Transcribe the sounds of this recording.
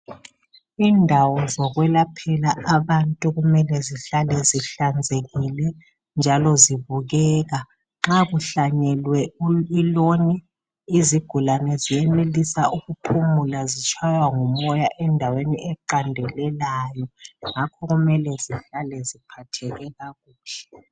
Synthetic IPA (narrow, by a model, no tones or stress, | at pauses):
indʱawɔzɔɣwɛlapʰɛlaaβantʼuɣumɛlɛziɬalɛziɬand͡zʱeɣilɛ | nd͡ʒʱalɔziβuɣɛːɣa | ŋ͡ǁaɣuɬaɲɛlwɛiloni | iziɡ̥ʱulanɛzijɛnelisaʔuɣupʰumulazit͡ʃʼʰwajwaŋumɔjaʔɛndʱaweniɛǃandʱɛlɛlaːjɔŋakʰɔɣumɛlɛziɬalɛzipʰatʰɛɣɛɣaɣuːɬɛ